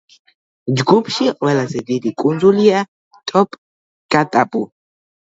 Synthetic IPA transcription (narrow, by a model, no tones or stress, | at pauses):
d͡ʒɡupʰʼʃiʁwɛlazɛvid̪ikʼunzulia | t̪ʼɔpʼ | kʼat̪ʼapʼu